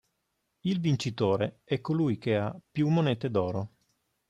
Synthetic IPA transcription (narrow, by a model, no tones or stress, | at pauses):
ilvint͡ʃit̪oːɾe | ɛkːolujk̟eapːjumːoneːt̪ed̪ɔːɾo